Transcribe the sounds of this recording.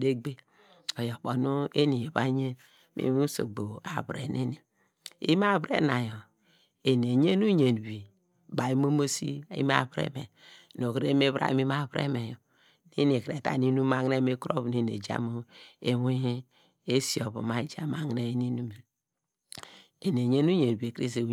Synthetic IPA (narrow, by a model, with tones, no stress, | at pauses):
de˦ɡ͡be˦ | o˨jo˨k͡po˨nu˦e˦ni˨je˨βa̰˦ɲe˦ | mḭ˦u˦so̰˨ɡ͡bo˨a˨βɾḛ˨ne˦ni˨ | ḭ˦m˦a˦βɾḛ˦na˨jo˨ | e˨n˨e˨ɲe˦nu˦ɲe˨n˨bi˨ | ba˨ji˦mo˦mo˦sḭ˦˨ḭ˦m˦a̰˦˨βɾḛ˦mḛ˨n˨o˨kɾe˦me˦βʔa̰˦mi˦ma˦˨βɾḛ˦me˨jo˨ | ne˦ni˨kɾe˨ta̰˨ni˦nu˦a˨ŋ˦ne˦me˦kɾo̰˦βne˦n˨ḛ˨d͡ʒa̰˦mo˦e˦we˦ | e˦si˨o˨βo̰˨ma˨i˦d͡ʒa˦ma˨ŋ˦ne˦ni˦nu˦me˨ | e˨n˨e˨ɲe˦nu˦ɲe˨n˨bi˨e˨kɾi˦s̬e˨˦